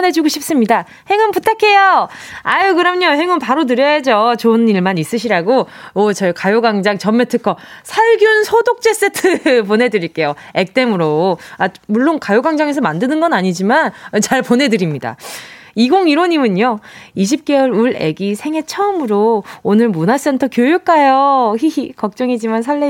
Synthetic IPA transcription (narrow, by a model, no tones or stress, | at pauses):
ne̞d͡ʑuɡoɕʰip̚s͈ɯmɲida | he̞ŋɯnputʰːakʰe̞joajokɯɾʌmeɲoheŋɯnpaɾotɯɾjʌjad͡ʑot͡ɕoɯniɭmanis͈ɯɕʰiɾaɡoʌt͡ɕʌɭkajoɡaŋd͡ʑaŋt͡ɕʌmːetʰɯkʰʌsʰaɭɡjunsʰodok̚t͡ɕ͈e̞s͈etʰɯp̬one̞dɯɾiɭk͈e̞joek̚t͈e̞mɯɾoa | muɭːonkajoɡaŋd͡ʑaŋe̞s̬ʰʌmandɯnɯnɡʌnaɲid͡ʑimanʌt͡ɕaɭpone̞dɯɾimɲida̰iɡoŋiɾoɲimɯɲoiɕ̬ʰip̚k͈e̞wʌɭuɭe̞̰ɡisʰe̞ŋɦe̞t͡ɕʰʌmɯɾoonɯɭmunas͈e̞ntʰʌkjojuk͈ajoçiikʌk̚t͡ɕ͈ʌŋid͡ʑimansʰaɭːe